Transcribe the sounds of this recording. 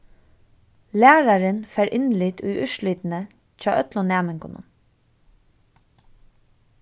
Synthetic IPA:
læːɾaɾɪnfɛːɾʔɪnlɪt̪ʰujʔʏʃliːt̪nə | t͡ɕɑːʔœt̪lʊnæːmɪŋkʊnʊ̰n

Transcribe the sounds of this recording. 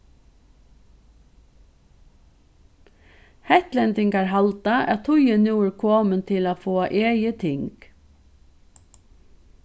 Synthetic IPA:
hɛt̪lɛnt̪ɪŋkaɹɦalt̪aʔɛ̰t̪ʰʊjənuːkʰoːmənt̪ʰɪlaːfoːaʔeːjət̪ʰɪŋk

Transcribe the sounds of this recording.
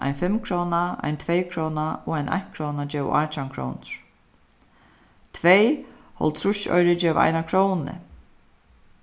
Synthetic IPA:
a̰jnfɪmkʰɾownaa̰jnt̪ʰvejkʰɾownaɔajnʔa̰jn̥kʰɾownad͡ʒɛːw̰ʔaːt͡ʃaŋkʰɹo̰ːwnɹ̥ | t̪ʰvej | hɔ̰lt̪ʰɾʊʃɔ̰jɾɪd͡ʒɛːʋa̰jnakʰɾownnɪ̰

